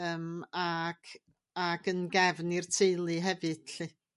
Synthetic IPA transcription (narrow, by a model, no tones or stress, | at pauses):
əːmaɡ̥ | aɡənɡɛvnirtʰeɨlˠɨɦɛvɨd̥ɬi